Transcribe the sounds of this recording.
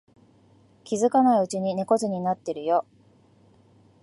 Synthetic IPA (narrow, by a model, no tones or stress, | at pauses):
kʲizɨkanaiɯ̟t͡ɕiɲ̟ine̞ko̞t͡sɨɲ̟inat̪ːe̞ɾɯ̟jo̞